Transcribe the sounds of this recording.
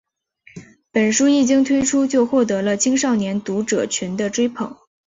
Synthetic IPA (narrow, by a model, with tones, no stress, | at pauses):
pə˨˩nʂu˥i˥˩t͡ɕi˥ŋt̪ʰwe˥ɪʈ͡ʂʰu˥t͡ɕjo˥˧ʊxwɔ˥˩t̪ɤ˧˥lə˧t͡ɕʰi˥ŋʂɑ˥˩ʊnjɛ˧˥nt̪u˧˥ʈ͡ʂɤ˨˩t͡ɕʰy˧˥nd̪ə˧ʈ͡ʂwe˥ɪpʰɤ̰˨˩˦ŋ